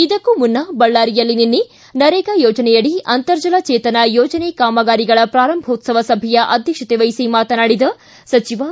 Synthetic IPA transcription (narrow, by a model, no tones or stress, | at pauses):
id̪ɐkːumunːɐbɐɭːaːɾijɐlːininːi | nɐɾɛːɡɐjoːd͡ʒɐnɛjɐɽiʔɐnt̪ɐɾd͡ʒɐlɐt͡ʃeːt̪ɐnɐjoːd͡ʒɐnekaːmɐɡaːɾiɡɐɭɐpɾaːɾɐmbʱoːt̪sɐʋɐsɐbʱɛjɐʔɐd̪ʱjɐkʂɐt̪eʋɐjsimaːt̪ɐnaːɽid̪ɐ | sɐt͡ʃiʋa